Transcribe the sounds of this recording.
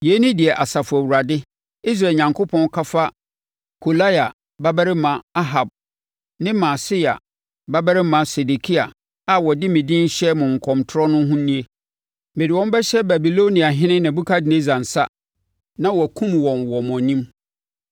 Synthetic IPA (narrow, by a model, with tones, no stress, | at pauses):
je˨˦nĩ˦dɪ˨ɛ˨ʔa˨sa˨fʊ˨æ˨wu˨ɾa˨dɪ˦ | i˦s̬ɾaː˨ɲã˨ŋkʰo˦pʰɔ̃˦n˦kʰa˦fa˦ | kʰo˨la˦ja˨ | ba˦bɛ˦ɾɪ˦mã˨a˦ɦa˨b̚ | nɪ̃˦mã˨sɪ˦a̰˨ | ba˦bɛ˦ɾɪ˦mã˨se˨de˨kʰi˦a˨ | a˨wɔ˨dɪ˦mɪ̃˨dĩ˦n̩˦ɕɛ˦mʊ̃˨ŋ̩˨kʰɔ̃˨mtʰʊ˦ɾɔ˦nʊ̃˦ɦʊ̃˦nĩ˦e˦ | mɪ˨dɪ˨wɔ̃˦m˦bɛ˦ɕɛ˦bæ˨bi˨lo˦nĩ˨a˨ɦɪ̃˦nɪ̃˦nã˨bu˦kʰa˦dɪ˨nẽ˦zã˨n̩˨sa˦ | nã˦wɔ˨kʰũ˦mwɔ̃˨nwɔ˨m˨ɔ̃˨nĩ˦m